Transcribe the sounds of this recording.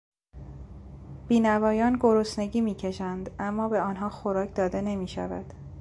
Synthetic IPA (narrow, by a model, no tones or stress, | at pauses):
b̥iːnævɒːjɒːnɡoɾosne̞ɟiːmiːcʰe̞ʃænd̪ʔæmːɒːbe̞ɒːnɦɒːxoɾɒːcʰd̪ɒːd̪ene̞miːʃæ̰væ̰d̪̥